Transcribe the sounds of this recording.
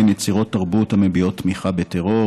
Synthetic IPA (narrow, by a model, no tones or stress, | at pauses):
njet͡siʁo̞t̪ːaʁbuthamebio̞t̪ːmiχabeteʁo̞